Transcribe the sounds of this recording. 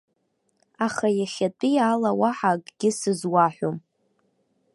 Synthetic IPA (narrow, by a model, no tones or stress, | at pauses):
aχajaχʲatʼijalawaħakʼɡ̥ʲɪsɨzwaħʷom